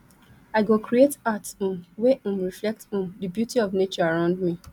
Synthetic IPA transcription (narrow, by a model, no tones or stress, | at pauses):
aɪɡokɹietatũnweʔũmɹiflɛk̚tũmdəbjutiɔvnet͡ʃɔaɹãʊ̃ndmi